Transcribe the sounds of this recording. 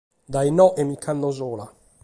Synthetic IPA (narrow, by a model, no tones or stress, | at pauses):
d̪ajnɔʔɛmikʰːand̪ozɔːla